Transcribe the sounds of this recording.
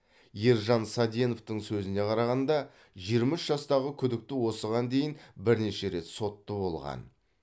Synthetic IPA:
jeɾʒɑnsɑd̪jeno̞ft̪əɴsɵzɪne̞qʰɑɾɑʁɑnd̪ɑ | ʒijəɾmɑɪʃʒɑst̪ɑʁəkʲʰʏd̪ɪk̚t̪ɪwo̞səʁɑnd̪e̞jɪnbɪɾne̞ʃe̞ɾe̞t̪so̞t̪ːəbo̞lˠʁɑ̰n

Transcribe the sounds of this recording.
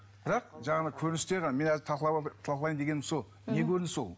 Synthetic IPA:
b̥ɪɾɑqʒɑɴɑnəkʲʰɵɾɪnɪst̪eɾʁɑnɑme̞næzɪt̪ʰɑqlˠɑbt̪ʰlɑqlˠɑjmd̪e̞ɡʲe̞nɪmso̞lˠ | ne̞kʲʰɵɾɪnɪso̞̰lˠ

